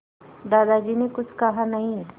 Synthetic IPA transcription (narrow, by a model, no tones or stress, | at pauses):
d̪aːd̪ad͡ʒiːnekʊt͡ʃʰkɐɦanɐɦĩ